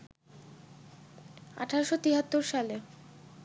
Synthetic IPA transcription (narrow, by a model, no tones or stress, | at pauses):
a̰ʈʰaɾoʃot̪iɦat̪ːoɾʃale